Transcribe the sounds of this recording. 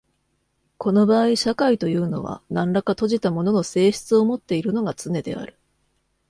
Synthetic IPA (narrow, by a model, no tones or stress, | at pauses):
kʰo̞no̞baːiɕakait̪o̞jɯ̟ːno̞̰β̞a̰nãnɾakat̪o̞ʑit̪amo̞no̞no̞se̞ːɕi̥t͡sɨo̞mo̞t̪ːe̞iɾɯ̟no̞ɡat͡sɨne̞d̪e̞̰a̰ɾɯ̟̥